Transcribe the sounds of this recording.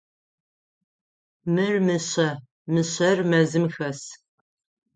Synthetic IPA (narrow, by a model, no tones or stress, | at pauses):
mɨrmɨɕɐ | mɨɕɐrmɐzɨmxɐs